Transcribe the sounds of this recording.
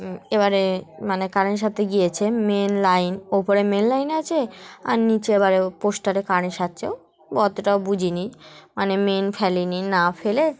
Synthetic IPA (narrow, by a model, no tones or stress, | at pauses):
ebaɾemanekaɾneʃ̬at̪ʰeɡiet͡ɕʰemenlajnopoɾemenlajnat͡ɕʰea̰ɾnit͡ɕeebaɾeposʈaɾekaɾneʃat̪ːɕʰeo | bɔt̪oʈaobud͡ʑʱinimanemenfʰɛlininafele